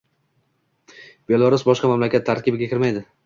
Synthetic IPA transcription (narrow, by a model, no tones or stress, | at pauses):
b̥e̞lˠaɾusbɒʃqɑmamlakʲat̪ʰːaɾkʲɪbɪɡʲakʲʰɪɾmajd̪ɪ